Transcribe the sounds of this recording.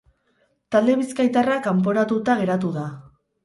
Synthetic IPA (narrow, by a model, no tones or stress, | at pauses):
t̪ald̪e̞βiskajt̪arakampo̞ɾat̪ut̪aɣ̞e̞ɾat̪uða